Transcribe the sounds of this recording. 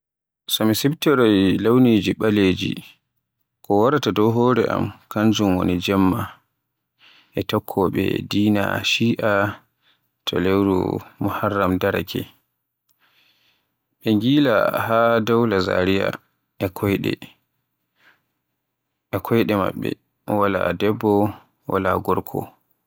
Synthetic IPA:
samisɛbtɛɾɔjlawnid͡ʒiɓaleːd͡ʒḭ | kʰɔwaɾatadɔɦɔːɾɛʔa̰mkaɲd͡ʒumwo̰nid͡ʒɛmːa | ʔɛtɔkʰːɔɓɛ̰diːna̰ʃiːʔa | tʰɔ̰lewɾṵmuharːamdaɾakʰɛ̰ | ɓɛŋɡiːla̰hadawlaza̰ɾija̰ | ɛkʰɔjɗɛ̰ | ɛkʰɔjɗɛma̰ɓːɛ̰ | wala̰dɛbːɔ | wa̰la̰ɡɔɾkʰɔ̰

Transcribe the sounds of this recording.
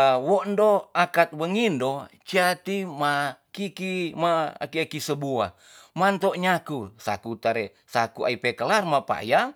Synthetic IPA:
woʔndoakat̪̚wəŋindot͡ʃiat̪imakikima̰kiakisəbua̰ | mant̪oʔɲakusa̰kut̪aɾɛ | sakua̰ipekəlarmapa̰ja

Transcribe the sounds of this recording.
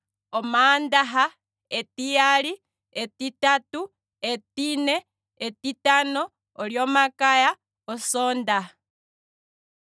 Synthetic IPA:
omandaɦa | etijali | etitatu | etine | etitanoː | ljomakaja | osoːnda

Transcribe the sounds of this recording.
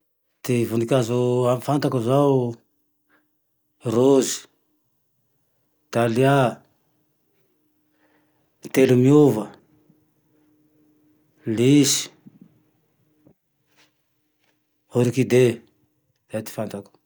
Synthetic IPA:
t̪ivunikʲazuamfant̪akuzaw | rozi̥ | t̪alia | t̪elumiuvə | lisi̥ | oɾikid̪e | z̥at̪i̥fant̪aku̥

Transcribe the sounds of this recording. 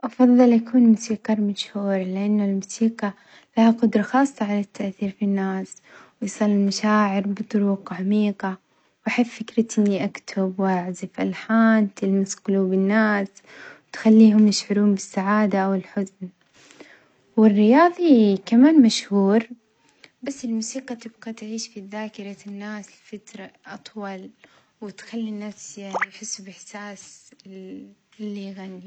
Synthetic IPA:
ʔɑfɑðˤːɨlʔakuːnmʊsiːqɑɾˤmaʃhuːɾlɪʔanːʊlmusiːqa | lahaqʊd̪ɾˤɑxɑːsˤːɑʕalat̪ʰːaʔθiːɾfinːaːswɪsˤɑlːɪlmaʃaːʕɪɾbɨt̪ˤʊɾuːqʕamiːqa | wʔaħɪffɪkɾɪt̪ʔɪnːiʔakt̪ʰʊbwʔaʕzɪfʔalħaːnt̪ʰɪlmɪsqʊlubɪnːaːs | wt̪xalːiːɦʊmjɪʃʕʊɾuːmbɪsːaʕaːd̪aʔawɪlħʊzn | wɪrːɪjɑːðˤikamaːnmaʃhuːɾ | basːɪlmuːsiːqɑt̪ɪbɡat̪ʕiːʃfiðaːkɪɾˤɑnːaːslfat̪ɾˤɑʔɑt̪ˤwɑl | wɪt̪xalːinafsjaʕnijħɪsːubɪħsaːs | lːiɣanːi

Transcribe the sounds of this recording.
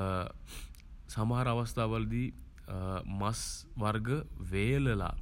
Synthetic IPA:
sɐmɦaɾɐʋɐst̪ʰaʋəld̪i | mɐsʋɐɾɡəʋeːləla̰

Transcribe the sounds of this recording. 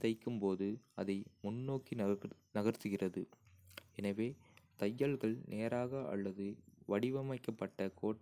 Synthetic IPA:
t̪ɐɪkːɯmpoːðɯɐðɐɪmʊnːoːkinɐɣɐɾt̪ɯɣɪrɐðɯ | ɛnɐʋeːt̪ɐjːɐɭɣɐɭnʔeːɾaːɣɐʔɐ̰lːɐðɯʋɐɽɪʋɐmɐɪkːɐpːɐʈːɐkoːʈː

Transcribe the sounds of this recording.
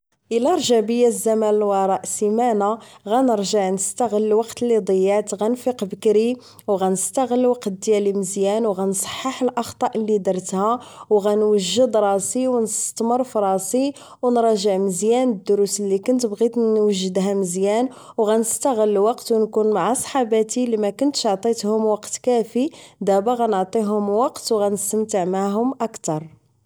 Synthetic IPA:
ʔəlæɾˤʒəʕbəjːæzːæmænəlwɑɾˤɑʔsimænaɣænəɾʒəʕnəst̪æɣəlːwɑqt̪lid̪ˤəjːæt̪ɣænfiqbəkɾi | wɣænəst̪əɣəlːwɑqt̪̚d̪jæliməzjænwɣænsˤɑ̥ħːəħəlʔɑxt̪ˤɑʔlːid̪ɑɾˤt̪hæwɣænwəʒːəd̪ɾˤɑsiwnəst̪mərˤfɾˤɑsi | wnɾˤɑʒəʕməzjænəd̪ːʊɾusəlːikʊnt̪bɣit̪ːwəʒːəd̪ɦæməzjæn | wɣænəst̪əɣəlwɑqt̪wnkunmaʕasˤħɑbæt̪ilimækʊnt̪əʃʕt̪ˤit̪hʊmwɑqt̪kæfid̪æbæɣænəʕt̪ˤiɦʊmwɑqt̪wɣænəst̪əmt̪əʕmaɦʊmʔəkt̪ɑɾˤ

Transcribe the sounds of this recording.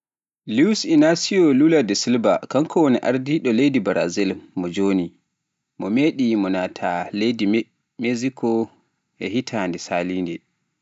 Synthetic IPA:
lusinasiɔluladɛsilba̰kaŋkʰɔwoniʔa̰ɾdiɗɔlejdibaɾa̰zɛlmɔd͡ʒoːni | mɔmeɗimɔnatʰaledi | mezikʰɔ | ʔɛhitʰandɛsalindɛ

